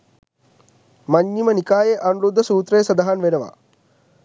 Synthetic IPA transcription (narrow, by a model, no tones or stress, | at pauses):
mɐɲːimənikaːjeʔɐnuɾud̪ːɐsuːt̪ɾɐjesɐd̪ɐɦanʋeɾɐʋa̰